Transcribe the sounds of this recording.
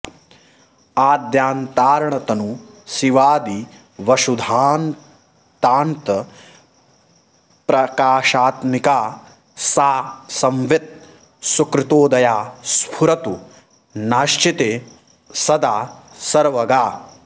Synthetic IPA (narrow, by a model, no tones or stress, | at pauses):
aːd̪jaːnt̪aːɾɐɳɐt̪ɐnu | siʋaːd̪i | ʋɐʃud̪ʱaːn | t̪aːnt̪ɐ | pɾɐkaːʃaːt̪mikaː | saːsɐmʋet̪̚ | sukɾɪt̪oːd̪ɐjaːspʰuɾɐt̪u | naːʃt͡ʃit̪eː | sɐd̪aːsɐɾʋɐɡaː